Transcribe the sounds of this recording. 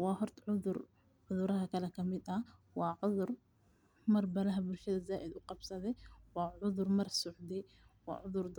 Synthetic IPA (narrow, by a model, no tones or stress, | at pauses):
wahʊɾt̪ʕʊðʊɾ | ʕʊðˤʊɾahakalakamɪt̪hawaʕʊðˤʊɾ | mɑɾˤbalaɦabɪlʃid̪azaːʔɪd̪wʊqɑbsɑd̪iwaʕʊðˤʊɾmɑɾˤsʊʕd̪i | wa̰ʕʊðˤʊɾ